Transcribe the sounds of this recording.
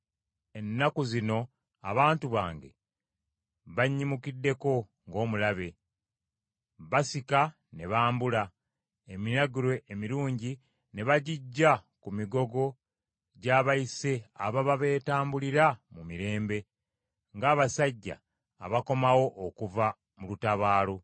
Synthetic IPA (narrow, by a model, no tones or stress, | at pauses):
e̞nːakuzino̞ | a̰βaːntuβa̰ːŋɡe̞̰ | βaɲːimukidːe̞ko̞ | ŋɡo̞ːmulaβe̞ | βasika | ne̞βaːmbula | eminaɡuɾwe̞ʔːmiɾuːɲɟi | ne̞βaɟiɟːakumiɡo̞ɡo̞ | ɟaːβaise̞a̰βaβaβe̞ːtaːmbuliɾamumiɾe̞ːmbe̞ | ŋɡaːβasaɟːa̰ː | βako̞mawo̞ʔokuva | mulutaβaːlo